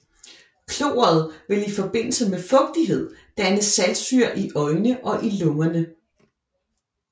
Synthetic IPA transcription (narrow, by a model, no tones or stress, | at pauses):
kʰlo̝̰ːɐð̞̩ˠʋe̝lifɒ̽b̥e̝n̰l̩səmefɔ̽ɡ̥̚d̥iɦe̝ð̰ˠd̥ænəsælsyɐ̰ʔiʔɒ̽ɪnəʔɒ̽ʔilɔʊɐnə